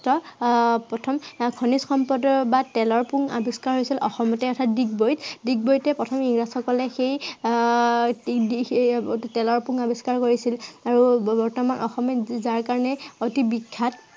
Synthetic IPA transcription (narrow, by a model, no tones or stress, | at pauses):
tɔpɹɔtʰɔmkʰɔnisxɔmpɔdɔbatɛlɔɹpuŋa̰biskaɹɦojsilʔɔxɔmɔtɛɔtʰadiɡ̚bojtdik̚bojtɛpɹɔtʰɔmiŋɡɹasɔkɔlɛxej | di | tɛlɔɹpuŋabiskaɹkoɹisilaɹubɔɹtɔmanʔɔxɔmɛzaɹkaɹɔnɛotibikʰːat